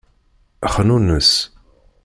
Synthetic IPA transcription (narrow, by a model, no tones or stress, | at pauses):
əχnunəs